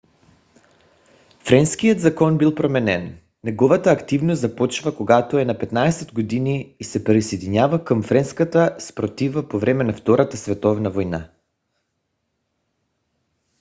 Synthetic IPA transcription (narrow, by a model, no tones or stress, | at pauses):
fɾɛnskijəd̪zakɔnbilˠpɾomɛnɛn | nɛɡɔvat̪aːkt̪ivnoszapɔt͡ʃvakoɡat̪oɛnapɛt̪naɛsɛd̪ɡod̪iniːsɛpɾisɛjd̪iɲavakəmfɾɛnskat̪aspɾot̪ivapovɾɛmɛnaft̪ɔɾat̪asvɛt̪ɔvnavojna